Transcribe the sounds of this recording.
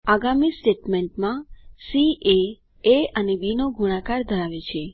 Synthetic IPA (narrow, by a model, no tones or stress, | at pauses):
aɡamisʈeʈmeɳʈmãsie | eənebinoɡʱuɽ̃ãkaɾd̪ʱəɾaʋet͡ʃʰe